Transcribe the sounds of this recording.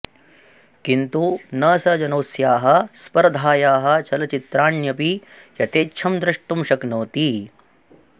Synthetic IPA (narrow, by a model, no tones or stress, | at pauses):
kint̪unɐːsɐd͡ʒɐnoːsjaːɦɐ̆spɐɾɐd̪ʱaːjaːɦɐ̆t͡ʃʰɐlɐt͡ʃit̪ɾaːɳjɐpi | jɐt̪eːtːʃʰɐmd̪ɾɐʂʈumʃɐknoːt̪i